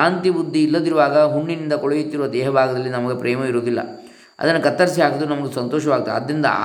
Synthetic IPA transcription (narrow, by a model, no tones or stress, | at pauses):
aːnt̪ibud̪ʱːiːlːɐd̪iɾuʋaːɡɐɦuɳːinind̪ɐkɔɭɐjut̪ːiɾuʋɐd̪ɛːɦɐbʱaːɡɐd̪ɐlːinɐmɐɡe̞pɾɛːmɐiɾoːd̪ilːɐ̰ | ɐ̰d̪ɐnːɐkɐt̪ːɐɾs̬iɦaːɡod̪ɾunɐmɐɡesɐnt̪ɔːʃ̬ɐʋaːɡ̚t̪ːeɐ̰d̪ɾind̪ɐ̰